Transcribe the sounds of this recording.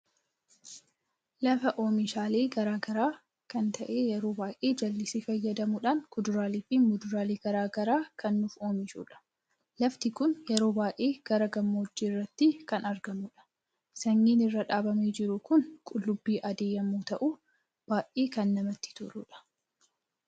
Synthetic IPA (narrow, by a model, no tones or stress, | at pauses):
lɐfɐʔo̞ːmɪʃaːleːɡɐɾaːɡɐɾaː | kɐnt̪ʰɐʔe̞ːjɛɾo̞ːbaːʔeːd͡ʒɐlːɪsiːfɐjːɐd̪ɐmuᶑaːnkʊd̪ʊɾaːliːfɪmʊd̪ʊɾaːliːɡ̥ɐɾaːɡɐɾaːkʰɐnːʊfo̞ːmɪʃṵːᶑɐ̥ | lɐft̪ɪkʊnjɛɾo̞ːbaːʔeːɡ̥ɐɾɐɡɐmːoːd͡ʒːiːrːɐt̪ːɪkɐnɐɾɡɐmuːᶑɐ̥ | sɐŋːiːnɪrːɐᶑaːbɐmeːd͡ʒɪɾʊkʊnkʼʊlːʊbːiːʔɐd̪eːjɐmːuːt̪ɐʔu | b̥aːʔʔeːkɐnːɐmɐt̪ːɪ̥t̪ʊɾṵːᶑɐ̥